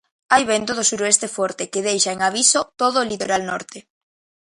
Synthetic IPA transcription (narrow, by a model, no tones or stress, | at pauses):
ajβent̪oð̞ʊsuɾoest̪efɔɾt̪ekeðejʃaeŋaβ̞isot̪oðoːlit̪oɾalnɔ̰ɾt̪e